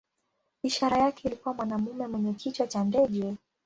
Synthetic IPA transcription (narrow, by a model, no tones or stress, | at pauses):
iʃaɾajakɛilikuwamwanamumɛmwɛɲɛkʰit͡ʃwat͡ʃandɛʄɛ